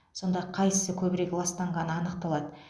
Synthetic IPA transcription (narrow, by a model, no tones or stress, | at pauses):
so̞nd̪ɑqʰɑjsəkʲʰɵbɪɾe̞kʲɪlˠɑst̪ɑɴʁɑnəɑnəq̚t̪ɑlˠɑd̪ə